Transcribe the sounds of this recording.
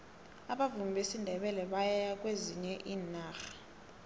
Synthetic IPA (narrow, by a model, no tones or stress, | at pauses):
aɓavumbʱesindʱɛɓɛlɛɓajɛjak̬ʼweziɲɛʔiːnaːxḁ